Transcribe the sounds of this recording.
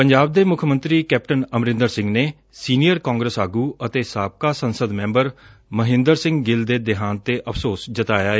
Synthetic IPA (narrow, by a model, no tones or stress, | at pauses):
pəɲd͡ʒaːb̚d̪eːmʊkʰmə̃nt̪ɾiːkɛːp̚ʈənəmɾɪ̃nd̪əɾsɪ̃ŋɡneː | siːnijəɾkãːŋɡɾəsaːɡuːət̪eːsaːp̚kaːsənsəd̪mɛ̃ːmbəɾməɦɪ̃nd̪əɾsɪ̃ŋɡɡɪld̪eːd̪ɪɦaːnt̪eːʔəpʰsoːsd͡ʒət̪aːjaːeː